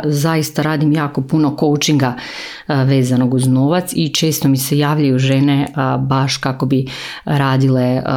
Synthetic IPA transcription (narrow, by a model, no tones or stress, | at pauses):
zajist̪aɾaːd̪imjaːko̞puno̞ko̞wt͡ʃiŋɡa | ʋeːzanoɡuzno̞ʋat̪sit͡ʃe̞ːst̪omise̞jaːʋlʎajuʒenebaʃkako̞bi | ɾaːd̪ile